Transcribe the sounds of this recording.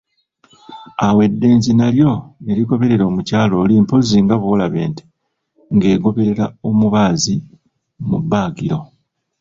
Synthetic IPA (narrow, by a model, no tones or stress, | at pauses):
awe̞dːe̞ːnzinaljo̞eɾiɡo̞βe̞ɾe̞ɾo̞ːmucaːlo̞ːliːmpo̞ziŋɡaβuwolaβe̞ːnti̥ | ŋɡe̞ːɡo̞βe̞ɾe̞ɾao̞muβaːzi | mubːaːɡiɾo̞